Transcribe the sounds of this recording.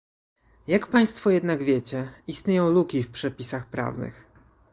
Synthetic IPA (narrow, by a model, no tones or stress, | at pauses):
jakpaj̃st̪fɔjɛd̪naɡvʲjet͡ɕɛist̪ɲejɔ̃w̃lukʲifpʂɛpʲisaxpɾa̰vnɘ̰x